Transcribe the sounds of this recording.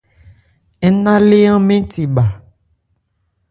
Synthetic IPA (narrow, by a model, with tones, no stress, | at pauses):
ɛ˦nã˦le˦ã˦mẽ˦t̪i˨ba˨